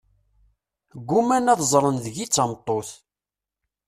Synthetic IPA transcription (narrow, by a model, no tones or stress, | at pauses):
ɡʷːumænæðzˤɾˤənðəʝit͡sːɑmt̪ˤːoθ